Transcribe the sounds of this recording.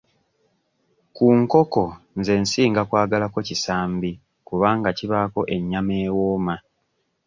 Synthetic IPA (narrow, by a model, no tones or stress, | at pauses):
kuːŋko̞ko̞ | nze̞ːnsiːŋɡakwaːɡalako̞cisaːmbi | kuβaːŋɡaciβako̞ʔe̞ɲːameːwoːma